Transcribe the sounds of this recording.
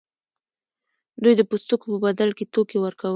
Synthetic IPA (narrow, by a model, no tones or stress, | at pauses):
d̪ujd̪əpust̪ukopəbad̪alket̪okewəɾkaw